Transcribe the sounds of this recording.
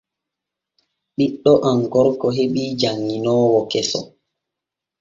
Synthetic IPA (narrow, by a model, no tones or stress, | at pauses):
ɓiɗːɔʔaŋɡɔɾkɔɦeɓiːd͡ʒaŋːinɔːwɔkɛsɔ̰